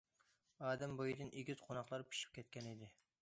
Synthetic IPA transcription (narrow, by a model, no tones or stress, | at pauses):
ɑːd̪ɛmbojid̪ɨnʔeɡʲyzqʰonɑχlˠɑɾpʰi̥ʃi̥p̚kʲʰɛt̪̚kʲɛnid̪ɪ